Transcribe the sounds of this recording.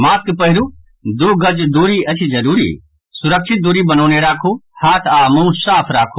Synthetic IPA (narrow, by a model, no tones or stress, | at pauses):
maːskpɐɦɪɾuː | d̪uːɡɐd͡ʒd̪uːɾiɐt͡ʃʰid͡ʒɐɾuːɾḭː | sʊɾəkʃʰɪt̪̚d̪uɾibɐnoːneɾaːkʰuːhaːt̪ʰaːmũːsaːpʰɾaːkʰu